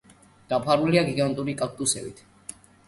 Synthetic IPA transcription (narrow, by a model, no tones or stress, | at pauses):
d̪̥apʰaɾuliaɡiɡant̪ʼuɾikʼak̚t̪ʼusɛbḭt̪ʰ